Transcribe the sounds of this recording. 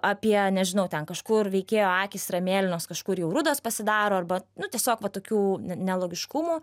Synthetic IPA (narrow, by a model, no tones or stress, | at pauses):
ɑpʲiɛnʲɛʒʲɪnɐʊt̪ʲɛnkɐʃkʊrʋʲɛɪkʲeːjoːɑːkʲɪsɾɐmʲeːlʲɪnoːskɐʃkʊɾjɛʊɾʊd̪oːspɐsʲɪd̪ɑːɾoːɐrbɐnʊt̪ʲiɛsʲoːkʋɐt̪oːkʲuːnʲɛnʲɛlˠoːɡʲɪʃkʊmuː